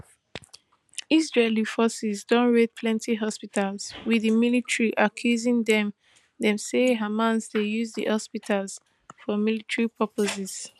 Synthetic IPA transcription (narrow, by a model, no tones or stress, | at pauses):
isɹelifɔsɛzdɔ̃nɹed̚pʰlɛ̃ntʰiɦɔspitalzwiðimilitɹiʔakʰjuzĩŋðɛ̃m | ðɛ̃mseɦamãnzdejuzðḭhɔspitʰalz̥ | fɔmilitɹipʰɔpoziz̥